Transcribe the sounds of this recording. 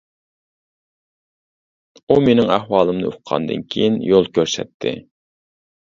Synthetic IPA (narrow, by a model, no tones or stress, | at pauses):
umenɪŋæhwɑːlˠɨmnɨ̰uqʰɑ̰nd̪ɨ̰nkʲʰejinjolˠkʲʰøɾsɛ̰t̪ʰːɪ̰